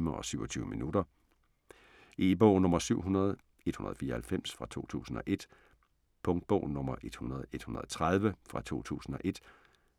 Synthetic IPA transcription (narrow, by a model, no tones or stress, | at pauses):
mɐɒ̽syʊɒ̽t͡sʰyːʊəminudɐ | ib̥ɔʊnɔ̽mɐsyʊ̰ɦunɐð̞̩ˠ | e̝d̥hunɐðˠfiːɐhælfem̰sfʁɑ̈t͡sʰo̝̰ːt͡sʰṵːsn̩ɒ̽ʔe̝d̥ | pʰɔ̽ŋd̥̚b̥ɔʊ̰nɔ̽m̰ɐʔe̝d̥hunɐð̞ˠe̝d̥hunɐð̩ˠɒt͡sʰʁað̞ˠʋəfʁɑ̈t͡sʰo̝̰ːt͡sʰṵːsn̩ɒ̽ʔe̝d̥